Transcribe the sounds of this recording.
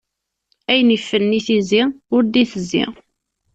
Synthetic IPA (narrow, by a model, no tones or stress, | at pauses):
æjnifːənniθiziʊɾd̪iθəzːḭʁ